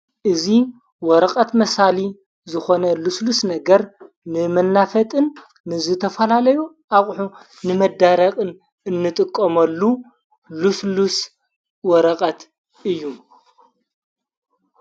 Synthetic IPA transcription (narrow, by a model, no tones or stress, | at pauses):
ʔɨzi | wɔɾɐqʼɐt̪mɐsali | zɨxo̞nɐluslusnɐɡɐɾ | nɨmɐnːafɐt̪ʼɨnː | ɨzɨt̪ʰɐfɐlalɐju | ʔaχʼħu | nɨmɐd̪aɾɐkʼɨn | ɨnːɨt̪ʼɨkʼːɐmɐlːu | luslus | wɔɾɐqʼɐt̪ʰ | ɨjːu